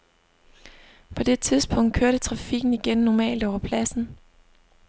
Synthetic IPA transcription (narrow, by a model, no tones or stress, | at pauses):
pʰɒ̽d̥e̝t͡sʰið̞ˠsb̥ɔ̽ŋ̰d̥̚kʰøɐɾət͡sʰʁɑ̈fiɡ̥n̩iɡ̥enːɒmɛ̰ːld̥ɒʊɐpʰlæsn̩